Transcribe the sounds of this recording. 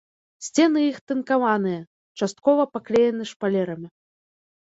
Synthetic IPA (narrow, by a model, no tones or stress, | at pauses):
sʲt͡sʲɛnɨixt̪ɨnkavanɨjɐ | t͡ʂast̪̚kɔvɐpaklʲɛjɛnɨʂpalʲɛɾɐmʲi